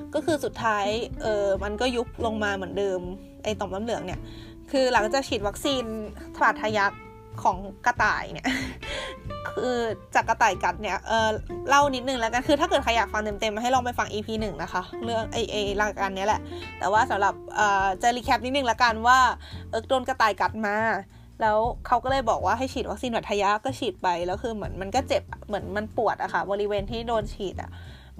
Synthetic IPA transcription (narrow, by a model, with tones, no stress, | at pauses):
kɔː˥˩kʰɯː˧su˨˩t̪ʰːaː˦˥jʔɤː˨˩ma˧nkɔː˥˩ju˦˥p̚lo˧ŋmaː˧mɯ˩˦əndɤː˧m | ʔa˧˩jt̪ɔː˨˩mna˧˥˩mlɯ˩˦əŋni˥˩ɐʔ | kʰɯː˧la˩˦ŋt͡ɕaː˨˩k̚kʰiː˨˩t̪̚wa˦˥k̚siː˧nsʰbaː˨˩t̪̚ʰːa˧ja˦˥kʰː | ɔː˩˦ŋka˧t̪a̰ː˨˩jni˥˩ | kʰɯː˧t͡ɕaː˨˩kːa˧t̪aː˨˩jka˨˩t̪̚ni˥˩ɐʔɤː˨˩la˥˩wni˦˥t̪̚nɯ˨˩ŋlɛ˦˥ka˧nkʰɯː˧a˥˩kɤ˨˩t̚kʰa˧jaː˨˩k̚fa˧ŋt̪e˧mt̪e˧maː˧ɦa˥˩jlɔː˧ŋpa˧˩jfa˧ŋʔiː˧pʰiː˧nɯ˨˩ŋna˦˥kʰa˦˥lɯ˥˩əŋʔa˧˩ʔe˧˩jla˧˩ka˨˩ka˧nːi˦˥ə˩lɛ˨˩ʔt̪ɛ̰ː˨˩waː˥˩sa˨˦mla˨˩p̚ʔɤː˨˩t͡ɕaː˧liː˧kʰɛ˦˥p̚ni˦t̪̚nɯ˨˩ŋlɛ˦˥ka˧nwaː˥˩ʔɤː˧˥k̚doː˧nka˧t̪aː˨˩jka˨˩t̪̚maː˧ | lɛː˦˥wkʰa˦˥wkɔː˥˩lɤː˧˩jbɔː˨˩k̚waː˥˩ɦa˥˩jt͡ɕʰiː˨˩wa˦˥k̚siː˧nwa˨˩t̪ʰa˧ja˦˥kɔː˥˩t͡ɕʰiː˨˩t̪̚pa˧jlɛː˦˥wkʰɯː˧mɯ˩˦ənma˧nkɔ˥˩t͡ɕe˨˩p̚mɯ˩˦ənma˧npu˨˩ət̪̚ʔa˨˩xʰa˦˩bɔː˧ɾi˦˥weː˧nt̪ʰiː˥˩doː˧nt͡ɕʰiː˨˩t̪̚ʔa̰˨˩